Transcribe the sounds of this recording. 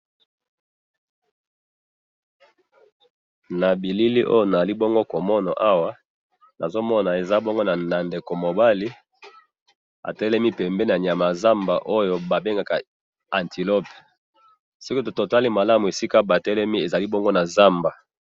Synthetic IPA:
na˨bi˨li˦li˦ʔo̰˦jo˦na˨za˨li˦bo˦ŋɡo˦ko˨mɔ˦na˨ʔa˦wa˦ | na˨zo˦mɔ˦na˨e˨za˦bo˦ŋɡo˦na˨na˨nde˨ko˨mo˨ba˦li˦ | a̰˨tɛ˦lɛ˦mi˦pɛ˨mbɛ˦na˨ɲja˨ma˨za˦mba˨ʔo˦jo˦ba˨be˦ŋɡa˨ka˨ | a˨nti˨lo˦pe˨ | si˦ki˦to˨to˨ta˦li˦ma˨la˦mu˨e˨si˦ka˦ba˨tɛ˦lɛ˦mi˦e˨za˨li˦bo˦ŋɡo˦na˨za˦mba˨

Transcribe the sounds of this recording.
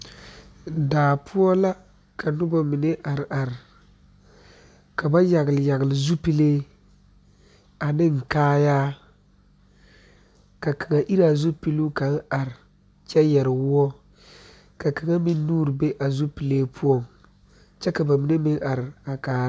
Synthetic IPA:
daː˨pʰʊ˦ɔ˦la˦ | kʰa˨nʊ˦ba˨mi˨ne˦ʔa˨ɾɪ˨ʔa˨ɾɪ˨ | ka˨ba˦ja˨ɣɪ˨lɪ˨ja˨ɣɪ˨lɪ˨zu˦pi˦leː˦ | a˨nɪ˦ŋ̩˨kaː˦jaː˦ | ka˨ka˨ŋa˨ʔi˦ɾa˨zu˦pi˦lu˦ka˨˦ŋ˦a˨ɾɪ˨ | t͡ʃɛ˦jɛ˨ɾɪ˨wʊ˦ɔ˦ | ka˨ka˨ŋa˦mi˦nːuː˦ɾbe˦ʔa˨zu˦pi˨leː˦pʰu˦ɔ˦˨ŋ | t͡ʃɛ˦ka˨ba˨mi˨ne˦mɪ˦ŋʔa˨ɾɪ˨a˨kaː˨˦

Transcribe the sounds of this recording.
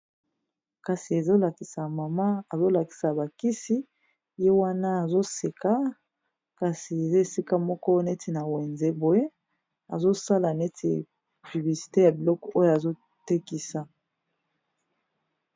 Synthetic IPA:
ka˨si˨e˨zo˦la˨ki˨sa˨ma˨ma˦a˨zo˦la˨ki̥˨sa˨ba˨ki˦si˦ | je˦wa˦na˦a˨zo˦se˨ka˦ | ka˨si˨e˨zo˦e˨si˦ka˦mɔ˦kɔ˦ne˦tʰi˨na˨we˨nze˦bo˨je˦ | a̰˨zo˦sa˦la˨ne˦tʰi˨ | py˨bli˨si̥˨te˦ja˨bi˨lɔ˦kɔ˨ʔo˦ja˨zo˦ | te˦ki˦sa˨

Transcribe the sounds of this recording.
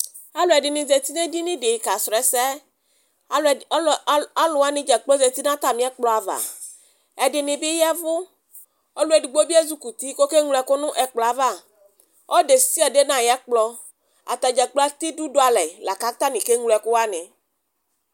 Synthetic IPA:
a˦lo˨ɛ˨ɖɪ˨nĩ˨ze˨t̪i˦nẽ˦di˦nĩ˦ɖe˨ka˨sɾɛ˨sɛ˦ | a˦lʊ˨a˦nɪ̃˦d͡ʒɛ˨k͡plo˦ze˨t̪i˦nã˦t̪a˨mĩ˦ɛ˦k͡plɔ˦a˨va̰˨ | ɛ˨dɪ˨nɪ̃˨bi˦jɛ˦vʊ˦ | o˦lu˦e˨du˨ɡ͡bo˦bi˦e˦zu˦ku˨t̪i˦ko˦ke˦ŋlɛ˨kʊ˦nʊ̃˦ʔɛ˨k͡plɔ˨a˨va˦˨ | o˦de˨si˦ɛ˨ɖe˦nã˨jɛ˦k͡plɔ˦ | a̰˨t̪a˨d͡ʒɛ˨k͡plɔ˦a˦t̪i˦du˦do˦a˨lɛ˨la˨ka˦t̪a˦nĩ˨ke˦ŋlɛ˨kʊ˦wa˦nẽ˨

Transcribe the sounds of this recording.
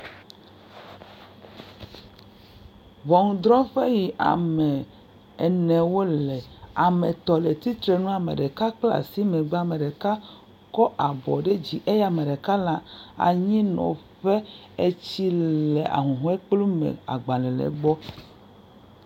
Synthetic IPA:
vɔ˨ŋ˨d̪ɾɔ˦ɸe˦ji˨ʔa̰˨mɛ̃˨ | ɛ˨nɛ̃˨wo˦lɛ˨a˨me˨t̪ɔ˨le˨t̪i˦t̪ɾe˨nũ˦a˨mḛ˨ɖe˨ka˦k͡pla̰˨si˦mẽ˨ɡ͡ba˨mẽ˨ɖe˨ka˦ | kɔ˦ʔa˨bɔ˨ɖe˦d͡ʑi˨ʔe˦ja˨mẽ˨ɖe˨ka˦la˦a̰˨ɲĩ˦nɔ̰̃˨ɸe˦ | e˦t͡ɕi˦le˨ʔa̰˨ɦũ˨ɦɔ̃˦e˦k͡plu˦mḛ̃˨a̰˨ɡ͡ba˨lɛ̃˨lḛ˨ɡ͡bɔ˦

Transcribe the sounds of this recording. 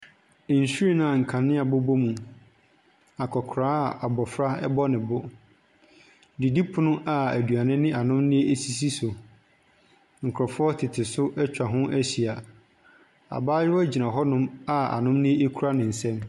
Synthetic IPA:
n̩˨su˦i˦nã˨ŋ̩˨kʰã˨nɪ̃˦a˨bɔ˦bo˦mũ˨ | a˨kʰɔ˨kʰɾãː˦˨a˨bɔ˨fɾa˦ɛ˦bɔ˦nɪ̃˨bʊ˦ | di˨di˦pʰʊ˦nʊ̃˦ʔa˨æ˨du˨a˨nɪ̃˦nɪ̃˦a˨nʊ̃˦mnɪ̃˦e˦e˦si˨s̬i˦sʊ˨ | ŋ̩˨kʰɾɔ˨fɔ˦tʰɪ˨tʰɪ˨sʊ˦ʔɛ˦t͡ɕᶣa˨ɦʊ̃˦ʔæ˦ɕi˨a˨ | a̰˨baː˦jɪ˦ɔ˦d͡ʑi˨nã˨ɦɔ˦nʊ̃˦ma˨a̰˨nʊ̃˦mnɪ̃˦e˦e˦kʰu˦ɾa˦nɪ̃˨n̩˨sɛ̃˦m

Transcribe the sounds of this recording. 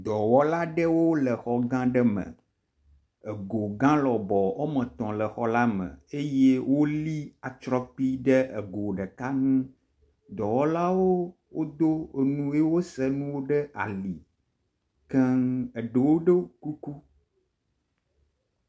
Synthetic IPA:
d̪ɔ˨wɔ˦la˦ɖə˦wo˦lə˨xɔ˨ɡã˦ɖə˦mə̰̃˨ | ə˨ɡo˨ɡã˦lɔ˨bɔ˨wo˦mə̃˨t̪ɔ̃˨lə˨xɔ˦la˦mə̰̃˨e˦je˦wo˦li˦a˨t͡ʃɾɔ˦k͡pi˦ɖə˦ʔə˨ɡo˨ɖə˨ka˦nũ˦ | d̪ɔ˨wɔ˦la˦wo˦ | wo˦d̪o˦˨nũ˦e˦wo˦sə˦nũ˦wo˦ɖə˦ʔa̰˨li˨ | kɛ˦ŋə˨ɖə˨wo˦ɖə˦ku˦ku˦

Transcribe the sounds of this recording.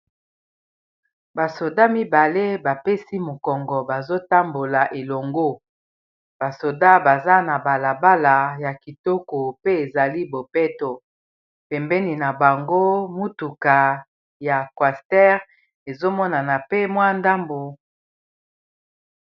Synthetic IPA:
ba˨so˨da˦mi˦ba˨le˦ba˨pe˦si˦mo˨kɔ˨ŋɡɔ˨ba˨zo˦ta˦mbo˨la˨ʔe˨lo˨ŋɡo˦ | b̥a˨so˨da˦ba˨za˦na˨ba˨la˨ba˦la˨ja˨ki˨tɔ˦ko˨pe˦e˨za˨li˦bo˨pɛ˦to˨ | pɛ˨mbɛ˦ni˨na˨ba˨ŋɡo˦mu˦tu˨ka˨ | ja˨kwa˨stɛ˦ʁ | e˨zo˦mɔ˦na˨na˨pe˦mwa˦nda˦mbo˨

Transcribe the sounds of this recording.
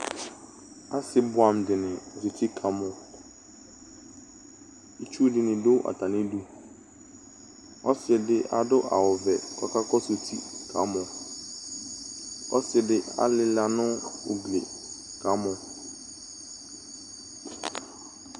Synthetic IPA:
a˦sɪ˦bʊ˦a˨mdɪ˨nɪ̃˨so˨tʰi˦kʰa˨˦mʊ̃˨ | i˦t͡ʃu˦dɪ˨nɪ̃˨dʊ˦ʔa̰˨ta˨nɪ̃˦du˦ | ɔ˦sɪ˨dɪ˦ʔa̰˨dʊ˦ʔa̰˨wɔ˨vɛ˨ka̰˦ka˦kɔ˦so˨tʰḭ˦kʰa̰˨˦mʊ̃˨ | ɔ̰˦sɪ˨dɪ˦a̰˨lɪ˦la˨nʊ̃˦ʊ˨ɡlḛ˨ | kʰa˨˦mʊ̃˨

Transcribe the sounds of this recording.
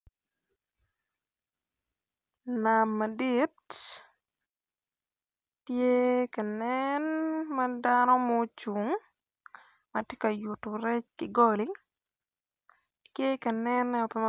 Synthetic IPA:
na˨mːa˨di˦t | je˦ka˨nɛnma˦danɔ˦mo˦t͡ʃu˨ŋ | ma˨te˦ka˨ju˨tu˨ɾɛ˦t͡ʃkɪ˨ɡɔ˦li˦ | tje˦ka˨nɛnɛ˦ɔ˨pɛ˦m

